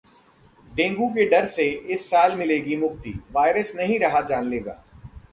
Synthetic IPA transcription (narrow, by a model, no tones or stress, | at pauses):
ɖẽːŋɡuk̬eɖɐɾseɪsːaːlmɪleːɡimʊɡ̚t̪ḭːʋaːɪɾəsnɐɦĩɾɐɦad͡ʒaːnleːɡa̰ː